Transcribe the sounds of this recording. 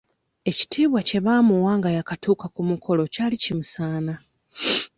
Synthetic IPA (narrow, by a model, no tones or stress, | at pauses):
e̞ci̥tʰiːβwace̞βaːmuwaːŋɡajakatʰuːkakumukʰo̞lo̞caːlicimusaːna